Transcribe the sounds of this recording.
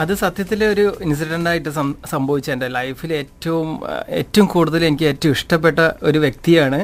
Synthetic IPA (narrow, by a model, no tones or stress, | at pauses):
ɐðɨsɐd̪jɐt̪ːileo̞ɾuins̬iʈɐnɖaːjiʈːɨsɐsɐmbʱɐʋit͡ɕːɐɳɖelɐjfile̞ːtːɐʋume̞ːtːɐʋumkuːɽuðɐle̞nikʲːɨe̞ːtːɐmiʂʈɐp̬ːe̞ʈːɐo̞ɾuʋje̞k̚t̪ijaːɳɨ